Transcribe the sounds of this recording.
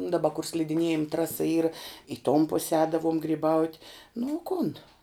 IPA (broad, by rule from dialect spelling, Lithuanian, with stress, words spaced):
dɐˈbɐ kʊr sʲlʲɪdʲɪˈnʲiɛjɪm ˈtrɑːsɐ ˈiːrɐ ɪ toːm pʊs ˈɛːdɐʋoːm ɡrʲiːˈbɐʊtʲ nʊ oː ˈkʊn